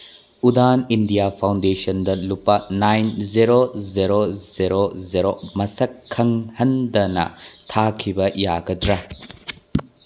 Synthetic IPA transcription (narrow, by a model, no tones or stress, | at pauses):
udanindijapʰawndesɐndɐlupːɐnajnzeɾozeɾozeɾozeɾomɐsɐkʰːɐŋhɐndɐnɐ̰tʰakʰibɐjaɡɐdɾɐ